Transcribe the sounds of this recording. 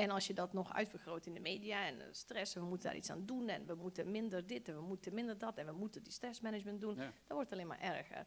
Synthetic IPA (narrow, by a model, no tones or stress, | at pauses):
ɛnɔlˠsjədɔtnɔxœ̰ɥtbəxroːtɪndəmeːdiaɛn̰strɛsʋəmutənda̰rʔḭt͡ssa̰ːndunɛ̰nʋəmutəmɪndərdɪtɛnʋəmutəmɪndərdɔtɛnʋəmutədistrɛsmɛnɪd͡ʒmɛndund̥ɔnʋɔrtətaleːnma̰rʔɛrɣə̰r